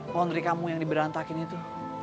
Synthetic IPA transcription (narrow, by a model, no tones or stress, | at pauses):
pɔnd̪ɾikamujaŋdibəɾant̪akɪnit̪u